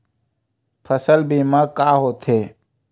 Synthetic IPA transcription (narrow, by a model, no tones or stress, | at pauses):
pʰəsəlbiːmãːkaːɦoːt̪ʰeː